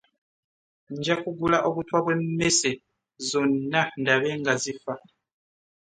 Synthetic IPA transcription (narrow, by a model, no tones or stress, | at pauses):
ɲd͡ʒakuɡulaʔokutʰwaβwem̩mese | zonnandaβeŋɡazifa